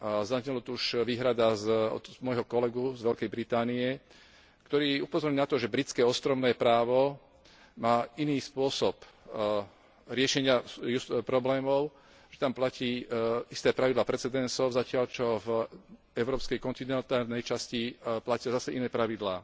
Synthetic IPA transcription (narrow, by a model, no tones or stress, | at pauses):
zazɲɛlɔt̪ɔuʃʋiːɦɾad̪azɔ̰mɔjɦɔkɔlɛɡuzʋɛlkɛjbɾit̪aːniɛ | kt̪ɔɾiːupɔzɔɾɲinat̪ɔʒɛbɾit͡skɛːɔst̪ɾɔʊnɛːpɾaːʋɔ | maːiniːspʊɔsɔp | ɾɪɛʃɛɲɪajupɾɔblɛːmɔʊ | ʒ̥ɛt̪amplaciːist̪ɛːpɾaʋid̪laːpɾɛt͡sɛd̪ɛnsɔʊzacɪaʎt͡ʃɔv | ɛʊɾɔːpskɛjkɔnt̪inɛnt̪aːlnɛjt͡ʃasciplacɪazasɛinɛːpɾaʋid̪laː